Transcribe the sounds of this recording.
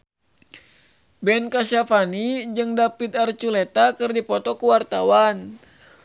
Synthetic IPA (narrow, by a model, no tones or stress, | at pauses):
bɛnkaʃafanid͡ʒɨŋdapit̪̚art͡ʃulɛt̪akɨrdipɔt̪ɔkuwart̪awan